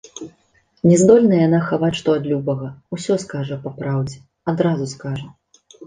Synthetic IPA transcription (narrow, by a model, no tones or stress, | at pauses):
nʲɛzd̪ɔlʲnɐjanaxavat͡sʲʂt̪ɔad̪lʲubɐɣɐusʲɔskaʐɐpɐpɾawd͡zʲɛ | ad̪ɾazuskaʐɐ